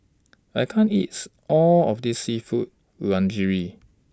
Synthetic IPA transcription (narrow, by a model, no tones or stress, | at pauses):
ajkʰãntitʔɔlɔfdisːifut̚ | lãnd͡ʒiɹi